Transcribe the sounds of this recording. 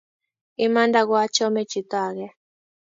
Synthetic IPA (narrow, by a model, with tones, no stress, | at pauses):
i˦mã˦nda˦ɣwa˦t͡ʃɔ˦mɛ˦t͡ʃi˨t̪a˦˨ɣɛ˦